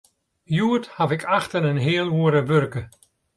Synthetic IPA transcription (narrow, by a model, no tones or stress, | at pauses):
juəthavɪkʰaxtənənɦɪəlˠuəɾəʋørkə